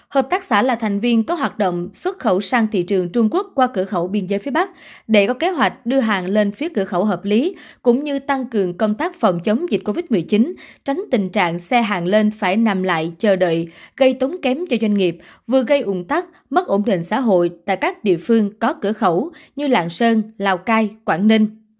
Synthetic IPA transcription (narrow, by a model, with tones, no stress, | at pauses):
həː˨˩p̚t̪aː˦˥k̚sa̰ː˧˩laː˨˩t̪ʰɛ˨˩ŋ̟vi˧ənkɔ˨˦ɦwaː˨˩t̚ɗo̰˧˨wŋ͡mswə˦˥t̚xə˧˩wsaː˧ŋt̪ʰḭ˧˨t͡ɕɨ˨˩əŋt͡ɕʊ˧ŋ͡mku˦˥ək̚kwaː˧kɨ˧˩əxə˧˩wɓi˧ənzəː˨˦jfi˨˦əɓa˦˥k̚ɗe˧˩kɔ˨˦ke˨˦ɦwa˨˩jk̟̚ɗɨ˧əɦaː˨˩ŋle˧nfi˨˦əkɨ˧˩əxə˧˩wɦəː˨˩p̚li˨˦kʊ̰˧˥ŋ͡mɲɨ˧t̪a˧ŋkɨ˨˩əŋkə˧wŋ͡mt̪aː˦˥k̚fə˨˩wŋ͡mt͡ɕə˨˦wŋ͡mzi˨˩t̚ko˧vi˦˥t̚mɨ˨˩əjt͡ɕi˨˦nt͡ɕa˨˦jŋ̟t̪ï˨˩ŋ̟t͡ɕa̰ː˧˨ŋsɛ˧ɦaː˨˩ŋle˧nfaː˧˩jna˨˩mla̰ː˧˨jt͡ɕəː˨˩ɗə̰ː˧˨jɣə˧jt̪o˨˦ŋ͡mkɛ˨˦mt͡ɕɔ˧zwa˧jŋ̟ŋi˨˩əp̚ | vɨ˨˩əɣə˧jʔʊ˧˩ŋ͡mt̪aː˦˥k̚ | mə˦˥t̚ʔo˧˩nɗḭ̈˨ŋ̟sa̰ː˧˥ɦo̰˧˨jt̪a̰ː˧˨jkaː˦˥k̚ɗḭ˧˨əfɨ˧əŋkɔ˨˦kɨ˧˩əxə˧˩wɲɨ˧la̰ː˧˨ŋsəː˧nlaː˧˩wkaː˧jkwaː˧˩nni˧ŋ̟